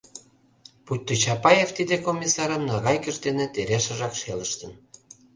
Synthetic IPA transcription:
put̪ʲːot͡ɕɑpɑjeft̪id̪ekomʲisɑɾə̆mnɑɣɑjkə̆ʃt̪enet̪eɾeʃə̆ʒɑkʃeləʃt̪ə̆n

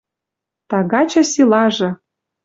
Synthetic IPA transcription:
t̪ɑɣɑt͡ɕɤ̆sʲilˠɑʒɤ̆

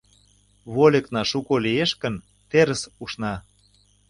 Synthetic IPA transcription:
βolʲĕknɑʃukolieʃkə̆n | t̪eɾə̆suʃnɑ

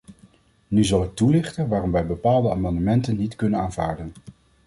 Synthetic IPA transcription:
nyzɑlˠɪk̚tulɪχtənʋaːrɔmʋɛjbəpaːlˠdəaːmɑndəmɛntənːitkɵnənaːnvaːɹdən

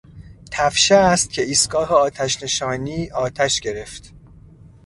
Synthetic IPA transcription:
t̪ʰæfʃæːst̪̚cʰʲe̞iːst̪ɡɒːɦeɒːt̪ʰæʃne̞ʃɒːniːʔɒːt̪ʰæʃɟe̞ɾe̞ft̪

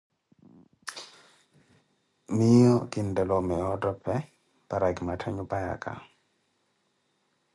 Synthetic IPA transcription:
mɪjɔkindɛlɔmɛɔdɔpɛ | paɾaɡmatʰɛɲupaja̰ka̰

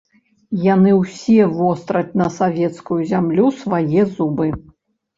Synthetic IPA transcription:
janɨwsʲɛvɔst̪ɾɐt͡sʲnɐsavʲɛt̪skujuzʲamlʲusvajɛzubɨ

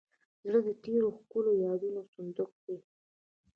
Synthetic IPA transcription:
zɽəd̪əʈeɾoxkulojɑd̪unosʊnd̪ʊk̚d̪e

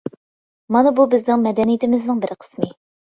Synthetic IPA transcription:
mɑnɑbubɪznɪŋmɛd̪ɛnijt̪ɪmɪznɪŋbɪɾɪqʰə̥smɪ

